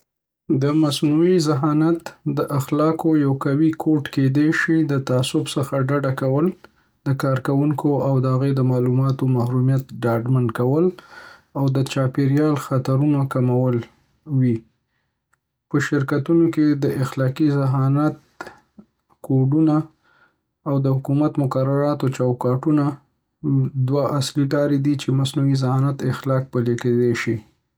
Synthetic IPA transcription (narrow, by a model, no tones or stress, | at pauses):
d̪əmasnuizɪɦɑnat̪d̪əʔaxlɑkojawkawikʰoʈked̪eʃid̪ət̪aːsʊbsəxaɖaɖakawəl | d̪̥əkɑɾkawuŋkʰoawd̪əɦaɣed̪əmɑlumɑt̪omahɾumjat̪ɖɑɖmankawəlawd̪ət͡ʃɑpeɾjɑlxat̪aɾunakamawəl | wi | pəʃɪɾkat̪unoked̪əʔɪxlɑkizɪɦɑnat̪̚ | koɖunaː | wd̪əhʊkumat̪mʊkaɾaɾɑt̪ot͡ʃawkɑʈuna | d̪waʔasliɖɑɾed̪it͡ʃemasnuwizɪhɑnat̪ɪxlɑk̚pəleked̪eʃi